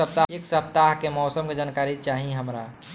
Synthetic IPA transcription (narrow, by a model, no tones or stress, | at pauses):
əp̚t̪aeksəpt̪aɦkemɔːsəmked͡ʒankaːɾit͡ʃaːɦiɦəmɾa